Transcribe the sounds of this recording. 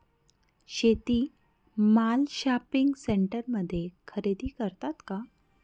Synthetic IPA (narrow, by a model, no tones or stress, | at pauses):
ɕet̪iː | malɕapiŋɡseɳʈəɾməd̪ʱːjekʰəɾed̪iːkəɾt̪at̪ka